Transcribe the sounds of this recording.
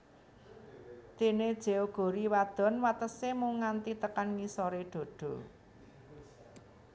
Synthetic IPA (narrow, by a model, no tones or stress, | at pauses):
t̪ined̥ʒ̥e̤oɡ̥o̤ɾiwad̪̥ɔ̤nwat̪əsemuŋant̪it̪əkanŋisɔɾeɖ̪̥o̤ɖ̪̥ɔ̤